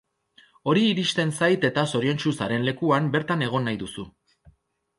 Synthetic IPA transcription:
o̞ɾiːɾiʃt̪e̞nsajt̪e̞t̪aso̞ɾie̞nt͡ʃusaɾe̞nle̞kuambe̞ɾt̪ane̞ɣ̞o̞nːajðusu

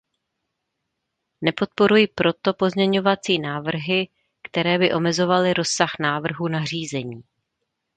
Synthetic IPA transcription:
nɛpo̞t̪̚po̞ɾujipɾo̞t̪o̞po̞zɲɛɲo̞vat͡siːnaːvr̩ɦɪ | kt̪ɛɾɛːbɪʔo̞mɛzo̞valɪɾo̞saxnaːvr̩ɦunar̝iːzɛɲiː

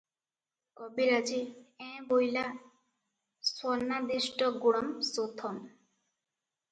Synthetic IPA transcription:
kɔbilad͡ʑiɛ̃bojla | sɔnːad̪iʃʈɔɡuɽɔmsot̪ʰɔm

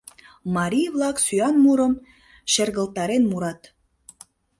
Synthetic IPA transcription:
mɑɾʲijβlɑksyɑnmuɾəm | ʃerɣə̆lt̪ɑɾenmuɾɑt̪

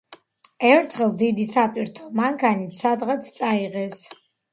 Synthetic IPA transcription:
ɛɾt̪ʰχəld̪id̪isat̪ʼiɾt̪ʰɔmaŋkʰanit̪sad̪ʁat̪ʰt͡sʼaiʁɛs

